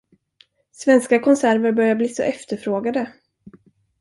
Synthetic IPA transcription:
svɛnskakʰɔnsæɾvəɾbœɾjabliːsɔ̰ʔɛft̪əɾfɾoːɡad̪ə

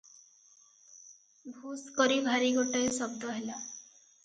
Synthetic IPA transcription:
bʱuskɔɾibʱaɾiɡoʈɔjsɔbd̪ʱɔɦela

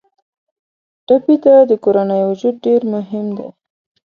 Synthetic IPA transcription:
ʈapit̪ad̪əkoɾanəjwʊd͡ʒud̪̚ɖeɾmʊɦɪmd̪ḛ

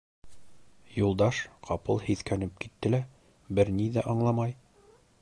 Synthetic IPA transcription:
julˠd̪ɑʃqʰɑpɤlˠhiθkænɘp̚kit̪ːɘ̆læ | bɘɾniðæʔɑɴlˠɑmɑj

